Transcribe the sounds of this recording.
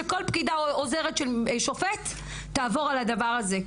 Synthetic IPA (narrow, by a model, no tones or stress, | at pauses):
eko̞lpkidaozeʁetʃelʃo̞fetː | aːvo̞ʁalad̪avaʁaze̞